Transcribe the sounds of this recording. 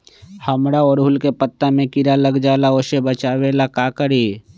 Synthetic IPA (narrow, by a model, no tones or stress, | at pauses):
həmɾaoːɾɦʊlkepət̪ːamẽkɪɾaləɡd͡ʒaːlaoːsebət͡ʃaːwelakaːkəɾi